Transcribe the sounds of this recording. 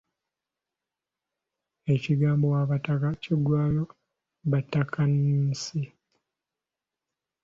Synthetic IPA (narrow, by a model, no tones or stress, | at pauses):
e̞ciɡaːmbowaβatakacidwaːlo | βatːakʰaniːsi